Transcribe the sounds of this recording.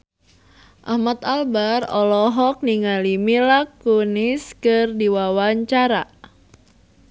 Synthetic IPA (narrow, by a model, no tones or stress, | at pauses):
ʔahmat̪albarɔlɔɦɔk̚niŋalimilakːuniskɨrdiwawaɲt͡ʃaɾa